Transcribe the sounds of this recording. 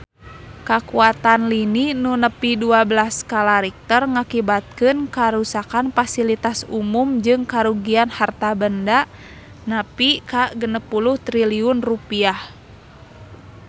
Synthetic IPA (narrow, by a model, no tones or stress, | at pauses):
kakuat̪anlininunəpiduabəlaskalaɾik̚t̪ɔrŋakibat̪̚kɨnkaɾusakanfasilit̪asumumd͡ʒɨŋkaɾuɡianhart̪abəndaʔ | napikaɡənəpːuluht̪ɾiliunrupiah